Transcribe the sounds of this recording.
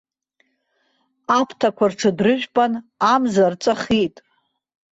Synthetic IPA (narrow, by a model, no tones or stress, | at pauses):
apʰtʰakʷarʈ͡ʂʰɨdrɨʒʷᶣpʼanamzart͡sʼaχitʼ